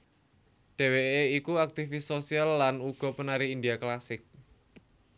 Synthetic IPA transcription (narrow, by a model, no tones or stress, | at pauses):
ɖ̥e̤weeikuak̚t̪ifɪsːosialːanuɡ̥ɔ̤pənaɾiːnd̪iaklasɪk̚